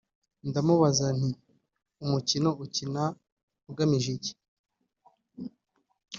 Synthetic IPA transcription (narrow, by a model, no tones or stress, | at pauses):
ndamuβazan̥i | umucino̞ʔucina | uɡamiʒeɟi̥